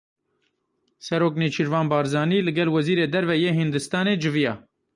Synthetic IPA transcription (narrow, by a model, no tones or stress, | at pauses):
sɛɾoːkneːt͡ʃʰiɾvɑːnbɑːɾzɑːniːlɨɡɛlwɛziːɾeːd̪ɛɾvɛjeːɦɨnd̪ɨst̪ɑːneːd͡ʒɨvijɑː